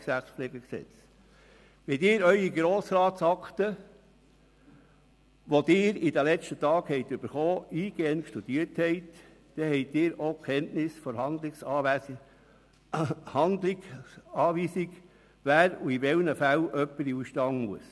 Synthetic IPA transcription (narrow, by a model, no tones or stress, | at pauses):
ksæt͡sflɛːɡəksɛ̰t͡s | ʋɛdɪːɾœʏiɡɾoːsɾɑːtsɑkt̪ə | ʋod̥̪ɪːɾidəlɛt͡ʃtətɑːkhɛɪt̪ʏb̥əɾχɔːiːɡ̥eːənkʃtud̥̪iəthɛɪt | d̪̥ɛhɛɪt̚ːɪːɾokχɛntnɪsfɔɾhɑnd̪lɪsɑː | hɑndlɪɡɑːʋiːsɪɡ | væːɾuiʋɛlnəfælʔœpːəɾiuʃtɑŋmuəs